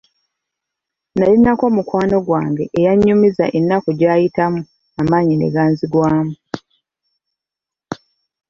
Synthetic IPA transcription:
nalinako̞mukwaːno̞ɡwaːŋɡe̞ʔejaɲːumizaʔenːakoɟaːjitamu | amaːɲine̞̰ɡaːnziɡwaːmu

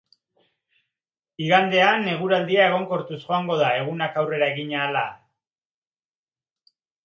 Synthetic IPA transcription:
iɣand̪e̞ane̞ɣ̞uɾald̪iae̞ɣ̞o̞ŋko̞ɾt̪usʝo̞aŋɡo̞ð̞ae̞ɣ̞unakawre̞ɾae̞ɣiɲaːla

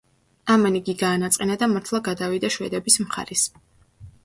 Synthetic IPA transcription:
amaniɡiɡaːnat̪sʼqʼɛnad̪amaɾt̪ʰlˠaɡad̪avid̪aʃwɛ̰d̪ɛbismχa̰ɾis

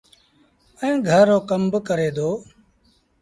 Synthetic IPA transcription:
əĩːɡʱəɾːoːkəmbkəɾeːd̪oː

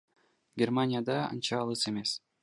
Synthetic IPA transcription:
ɡʲermanʲɪjad̪ɑɑ̰nt͡ʃɑːlˠɯse̞me̞s

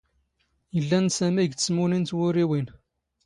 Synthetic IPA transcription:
jəlːænsæmiɡsmʊnint̪wʊɾiwin

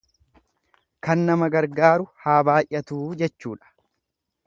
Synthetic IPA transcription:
kɐnːɐmɐɡɐɾɡaːɾʊhaːbaːjʔɐt̪uːd͡ʒɛt͡ʃːuːᶑɐ̥

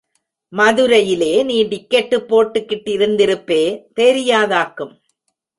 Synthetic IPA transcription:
mɐðɯɾɐjɪleːniːɖɪkːɛʈːɯpːoːʈːɯkːɪʈːɪɾɯnd̪ɪɾɯpːeːt̪eːɾɪjaːðaːkɯm

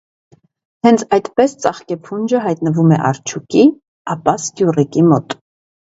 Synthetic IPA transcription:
hɛnt͡sʰɑjt̪pɛst͡sɑχkɛpʰund͡ʒəɦɑjt̪nəvumɛ̰ʔɑ̰ɾt͡ʃʰuki | ɑpɑskjurikimɔt̪

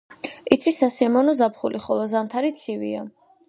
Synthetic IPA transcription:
it̪sʰisasamɔnɔzapʰχulʔiχɔlˠɔzamt̪ʰaɾit̪sʰivia

